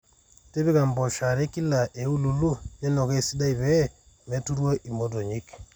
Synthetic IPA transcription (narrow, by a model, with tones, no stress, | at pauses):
te˦bi˦ka˨mbɔ˨ʃa˨ɾe˦ki˦la˨ʔe˨u˦lu˨lu˦je˦nɔ˨ke˦si˦da˦i˨βɛ˦˨ | me˨˦tu˦ɾwo˦ʔi˨mo˦do˨ɲi˦k